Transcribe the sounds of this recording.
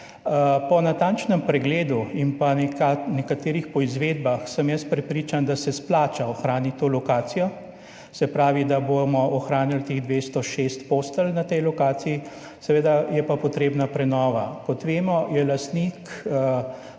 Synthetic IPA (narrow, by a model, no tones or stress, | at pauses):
pɔnat̪aːnt͡ʃnɛmpɾɛɡleːd̪uinpankanɛkat̪eːɾixpɔizʋeːd̪baxsəmjəst̪̚pɾɛpɾiːt͡ʃand̪asɛsplaːt͡ʃaɔxɾaːnit̪oːlɔkaːt̪sijɔ | sɛpɾaːʋid̪abomɔɔxɾaːnilt̪eːɣd̪ʋest̪ɔʃest̪poːst̪əlnat̪ɛjlɔkaːt̪siji | sɛʋeːd̪ajɛpapɔt̪ɾeːbnapɾɛnɔːʋakɔt̪ʋeːmɔjɛlast̪nik